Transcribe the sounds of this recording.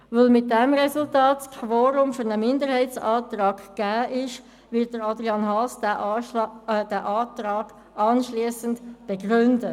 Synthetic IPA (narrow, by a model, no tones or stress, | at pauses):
vɵlmɪt̚dɛmɾɛsʊltɑːtskʰvoːɾʊmfyɾnəmɪndəɾhɛɪtt͡sɑːtɾɑːɡɡ̥æːʔɪʃ | vɪt̚d̥əɾɑdʁiɑnɦɑsd | dɛʔɑːtɾɑːɡ̥ | ʔɑnʃliːəsəndb̥eɡrʏndə